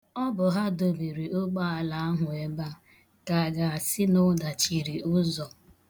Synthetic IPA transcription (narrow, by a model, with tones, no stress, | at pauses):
ɔ˦bʊ˨ɦa˦do˨bi˨ɾi˨ʔʊ˦ɡ͡ba˦a˨la˨a˦ɦʊ˨e˨ba˦ | ka˨ɡa˨a˨sɪ˦nʊ˦da˨t͡ʃi˨ɾi˨ʊ˦zɔ˨